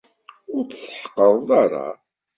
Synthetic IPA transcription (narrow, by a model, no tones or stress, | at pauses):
ʊɾθsħə̥qːəðˤðˤɑɾˤɑ̰